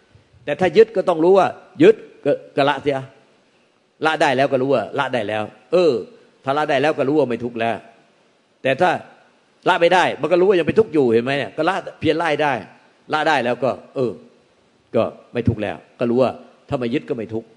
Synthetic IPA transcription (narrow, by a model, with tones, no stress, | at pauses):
t̪ɛː˨˩t̪ʰaː˧˥˩jɯ˦˥t̪̚kɔː˥˩t̪ɔ˧˩ŋɾuː˦˥waː˧˩jɯ˦˥t̪̚kɔ˧˩kɔː˧˩la˦˧˥ʔsi˧˥ʔa˧˩ | la˦˧˥ʔdaː˧˩jlɛː˦˥wkɔː˥˩ɾuː˦˥waː˧˩la˦˥ʔdaː˧˩jlɛː˦˥w | ʔɤː˨˩ | t̪ʰaː˧˩la˧˥daː˧˩jlɛː˦˥wkɔː˥˩ɾuː˦˥waː˧˩ma˥˩jt̪ʰu˦˥k̚lɛː˦˥w | t̪ɛː˨˩t̪ʰaː˥˩ | la˦˥ʔma˥˩jdaː˧˩jma˧˥˨kɔː˥˩u˧˦˥waː˧˩ja˧ŋpa˧˩jt̪ʰu˦˥k̚juː˨˩he˨˦nma˦˥jnɛ˧˩kɔː˧˩la˦˥ʔpʰi˧˥ənlaː˥˩hdaː˥˩j | la˦˥daː˧˩jlɛː˦˥wkɔː˧˩ʔɤː˨˩ | kɔː˧˥˩ma˥˩jt̪ʰu˦˥k̚lɛ̰ː˦˥wkɔː˥˩ɾuː˦˥waː˧˩t̪ʰaː˧˩ma˧˩jɯ˦˥t̪̚kɔː˥˩ma˥˩jt̪ʰu˦˥k̚